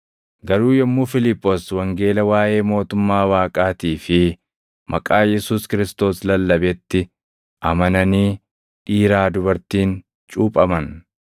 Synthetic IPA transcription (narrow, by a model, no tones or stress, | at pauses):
ɡɐɾuːjɛmːuːfɪlɪpːoswɐŋɡe̞ːlɐwaːʔe̞ːmo̞ːt̪ʊmːaːwaːkʼaːt̪iːfɪ | mʔɐkʼaːjɛsuːskɪɾɪst̪o̞ːslɐlːɐbɛt̪ːɪ | ʔɐmɐnɐniː | iːɾaːd̪ʊbɐɾt̪iːn | t͡ʃʼuːpʼɐmɐn